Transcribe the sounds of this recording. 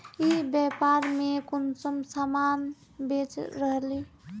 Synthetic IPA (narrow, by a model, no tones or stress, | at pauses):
ibɛpaɾmekonsəmsaman | bet͡ʃɾəɦli